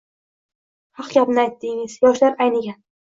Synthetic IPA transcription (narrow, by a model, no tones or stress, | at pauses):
hɑqɡʲapnɪajt̪ːɪŋɪzjɒʃlaɾajnɪɡʲa